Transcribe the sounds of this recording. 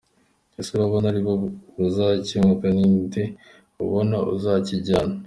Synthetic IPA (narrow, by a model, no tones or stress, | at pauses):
esuβaβonaɾiβoβuzaciŋukaniːnde | ṵβonaṵzaciɟaːna